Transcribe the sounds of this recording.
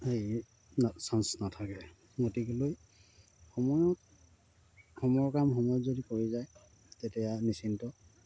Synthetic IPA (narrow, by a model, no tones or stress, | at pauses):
hej | nasansnatʰakɛ | ɡotikɔloj | xɔmɔjɔt̚ | hɔmɔjɔkamɦɔnɔzodikoɹizaj | tɛtɛjanisintɔ